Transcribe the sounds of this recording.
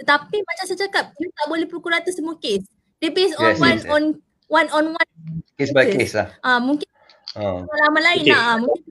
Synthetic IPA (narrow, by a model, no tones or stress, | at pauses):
t̪ət̪apimat͡ʃamsajt͡ʃakap̚nit̪aʔbolɛhpɾokuɾat̪usəmuakes | dipɛ̃nsɔ̃ɛwãnɔ̃n | wãnɔ̃nwãnkesbajkesla̰ʔãmũŋkin | alamãlainaamũŋkin